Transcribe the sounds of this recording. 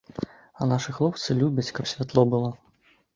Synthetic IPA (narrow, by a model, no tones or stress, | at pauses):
ɐnaʂɨxlˠɔp̚t̪sɨlʲubʲɐt͡sʲkɐpsʲvʲat̪lˠɔbɨlˠɔ